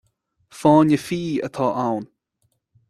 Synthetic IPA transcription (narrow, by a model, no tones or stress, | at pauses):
fɔːnəfiːə̰t̪ʰɑːʔawn